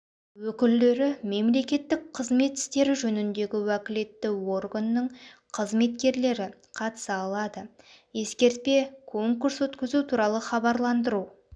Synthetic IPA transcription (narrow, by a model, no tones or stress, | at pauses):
wɵkʲɪld̪e̞ɾɪme̞mle̞kʲe̞t̪ːɪk̚qʰəzme̞t̪ɪ̥st̪e̞ɾɪʒɵnɪnd̪e̞ɡʲɪwækʲɪle̞t̪ːɪwo̞rɡanːəɴqʰəzme̞t̪kʲe̞ɾle̞ɾɪ | qʰɑt̪ə̥səɑlˠɑd̪ə | je̞skʲe̞ɾt̪̚pe̞kʰo̞ŋkuɾswɵt̪kʲɪzut̪ʰuɾɑlˠəχɑbɑɾlˠɑnd̪əɾu